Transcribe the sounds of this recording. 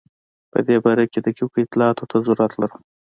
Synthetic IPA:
pə̰d̪ebɑɾaked̪əkukəɪt̪lɑɑt̪ot̪ʰazuɾat̪laɾu

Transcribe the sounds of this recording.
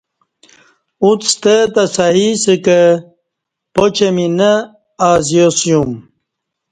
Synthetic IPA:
ut̪st̪ət̪ɐsaɦisəkə | pot͡ɕeminə | aːzjosjum

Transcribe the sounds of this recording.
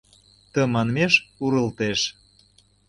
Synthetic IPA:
t̪ə̆mɑnmeʃuɾə̆lt̪eʃ

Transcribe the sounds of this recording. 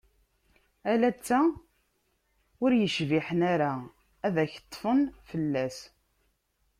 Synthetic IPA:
ælæt͡sːæ | ʊɾjəʃviħənæɾa | æðæçət̪ˤːfənfəlːæs

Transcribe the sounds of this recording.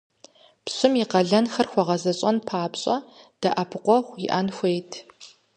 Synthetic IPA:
pɕʼɪmiqɐɮɐnxɐrxʷɔʁɐzɐɕʼɐnpʰaːpɕʼɐd̥ɐʔɐpʰɨqʷɔχʷiʔanxʷejtʰ

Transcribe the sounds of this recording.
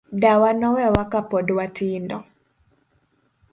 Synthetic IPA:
dawanɔwɛwakapɔdwatindɔ

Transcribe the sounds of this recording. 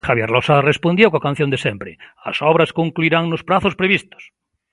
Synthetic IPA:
xaβjeɾlosarespõnd̪jowkakan̟θjõnd̪esempɾea̰sɔβɾaskoŋkluiɾaŋnospɾaθospɾeβist̪o̥s

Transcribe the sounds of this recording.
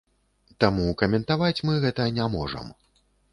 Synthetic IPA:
t̪amukɐmʲɛnt̪avat͡sʲmɨɣɛt̪ɐnʲamɔʐɐ̰m

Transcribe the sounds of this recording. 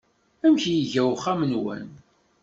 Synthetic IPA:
æmçjiʝæwχæmnwæ̰n

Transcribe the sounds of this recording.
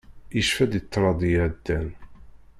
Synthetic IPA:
iʃfæd̪it̪ːɾˤɑd̪ˤjæʕd̪ːæn

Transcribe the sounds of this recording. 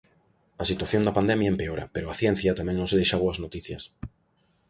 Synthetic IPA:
ɐsit̪waθjond̪ɐpand̪ɛmjɐempeoɾɐ̰peɾʊɐθjɛn̟θjɐt̪amɛ̃ŋnõŋsðejʃaβoɐznot̪iθjɐ̰s

